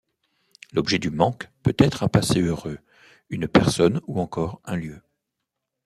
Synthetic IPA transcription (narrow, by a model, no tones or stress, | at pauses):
lɔbʒɛd̪ymɑ̃kpøt̪ɛt̪χɛ̃paseøʁø | ynpɛʁsɔnuɑ̃kɔʁɛ̃ljø